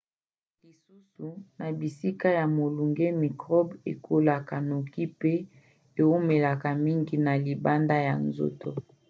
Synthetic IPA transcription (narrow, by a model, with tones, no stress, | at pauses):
li˨su˦su˨na˨bi˨si˦ka˦ja˨mo˨lu˨ŋɡe˦mi˨kʁɔ˦bḛ˨kʰo˦la˨ka˨no˨ki˦pe˦ | e˨wo˦me˨la˨ka˨mi˦ŋɡi˨na˨li˨ba˦nda˦ja̰˨nzo̰˦tʰo̰˦